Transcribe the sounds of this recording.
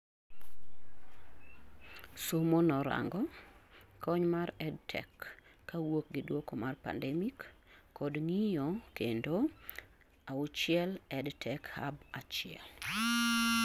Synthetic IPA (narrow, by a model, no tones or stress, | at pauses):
somonɔɾa̰ŋɡɔ | kʰɔɲmaɾɛdtʰɛ̰kː | awok̚ɡɪdwokomarpa̰ndɛmikːɔdŋijɔkendo | aʊt͡ʃɪɛlɛdtʰɛkha̰bat͡ʃɪɛ̰l